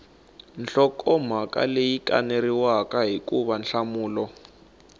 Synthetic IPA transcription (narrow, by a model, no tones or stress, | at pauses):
nɬɔkɔm̤aka̰lejika̰neriwakaɦikuβanɬamuːlɔ